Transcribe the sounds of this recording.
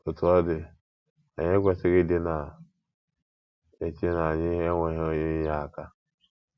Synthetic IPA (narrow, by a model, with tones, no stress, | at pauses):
o˨tʊ˨˦ɔ˦dɪ˨ | a˨ɲe˦ɡʷe˨sɪ˦ɾɪ˦dɪ˦na˨ | e˨t͡ʃe˦na˨ɲɪ˦ɦe˦ŋʷe˨ɦo˦ɲɪ˦ja˨ka˦